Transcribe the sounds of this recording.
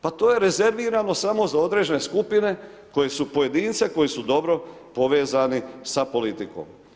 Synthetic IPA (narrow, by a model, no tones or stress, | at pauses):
pat̪o̞ːje̞ɾe̞ze̞ɾʋiːɾano̞samo̞zao̞d̪ɾe̞d͡ʑe̞neskupine̞ | ko̞jesupoje̞d̪iːnt̪seko̞jisud̪o̞bɾo̞ | po̞ʋeːzanisapo̞lit̪iko̰ːm